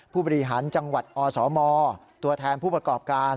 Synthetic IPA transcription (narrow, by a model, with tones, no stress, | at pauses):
pʰuː˥˩bɔː˧ɾi˧ɦaː˩˦nt͡ɕa˧ŋwa˨˩t̪̚ʔɔː˧sɔː˩˦mɔː˧ | t̪u˧ɐt̪ʰɛː˧npʰuː˥˩pɾa˧kɔː˨˩p̚kaː˧n